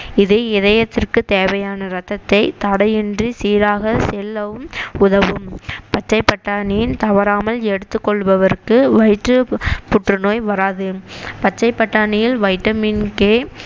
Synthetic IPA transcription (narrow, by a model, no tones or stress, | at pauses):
ɪðeːɪðɐjɐt̪ːɪrkɯt̪eːʋɐjaːnɐɾɐt̪ːɐt̪ːɐɪt̪ɐɽɐjɪndrisiːɾaːɣɐsɛlːɐʋɯmʊðɐʋɯmpɐt͡ʃːɐɪpːɐʈːaːnɪjɪnt̪ɐʋɐɾaːmɐlɛɽɯt̪ːɯkːɔɭʋɐʋɐɾkːɯʋɐɪʈrɯpʊʈrɯnoːjʋɐɾaːðɯpɐt͡ʃːɐɪpːɐʈːaːnɪjɪlʋɐɪʈːɐmɪnkeː